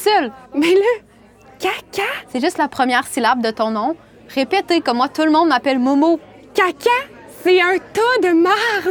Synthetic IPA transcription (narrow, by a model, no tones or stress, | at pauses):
sœlmɛlə | kakʲasɛʒyst̪lapχəmjɛːʁsilab̚d̪ət̪ɔ̃nɔ̃ | ʁepet̪ekɔmːwat̪uləmɔ̃d̪mapɛlmomo | kʲakʲa | sɛə̃t̪od̪əmaʁ